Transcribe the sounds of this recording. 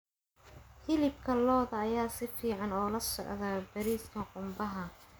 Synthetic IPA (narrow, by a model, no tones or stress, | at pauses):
hɪlɪb̚kʰɐlɔːðɐːjaːsɪfiːʕɑnɔːlɐsɔ̰ʕðɐbɐɾiːskʰɐqʊmbɐɦɐ